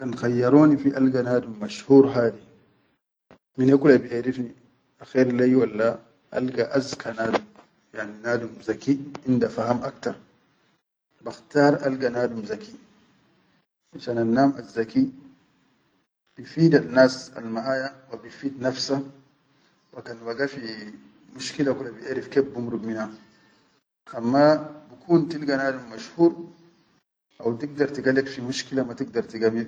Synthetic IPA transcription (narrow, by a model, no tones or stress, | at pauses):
kanxajːaɾoːnifiʔalɡanaːdumːaʃhuːɾɦaːdi | minekulabiʔeɾifni | axeɾlajwalːa | ʔa̰lɡaʔazkʰanaːdum | jaʕninaːdumzakiʔindafahamʔakt̪aɾˤ | baxtaːɾa̰lɡanaːdumzaki | aʃananːaːmʔazːaki | b̥ifiːd̪anːaːsa̰lmaʔaːjawabifiːd̪nafsa | wakanwaɡafi | muʃkilakulabiʔaɾifkeːbːumɾubmina | ʔamːabikʰuːnt̪ilɡanaːdumːaʃhuːɾ | ʔa̰wt̪iɡ̚d̪ɑɾˤt̪iɡalekfimuʃkilamat̪iɡd̪ɑɾˤt̪iɡami